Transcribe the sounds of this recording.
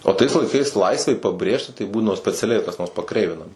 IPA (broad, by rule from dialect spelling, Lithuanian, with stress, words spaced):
oː tɐɪs lˠɐɪˈkɐɪs ˈlˠɐɪsʲʋʲɛɪ pɐˈbʲrʲeːʃʲtʲɪ tɐɪ ˈbuːdɐʋoː sʲpʲɛt͡sʲɛˈlʲɛɪ kɐs noːrs pɐˈkrʲɛɪʋʲɪnɐmɐ